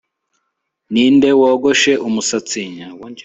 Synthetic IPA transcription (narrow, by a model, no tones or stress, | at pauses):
niːnde̞woːɡoʃe̞ʔumusat͡siɲa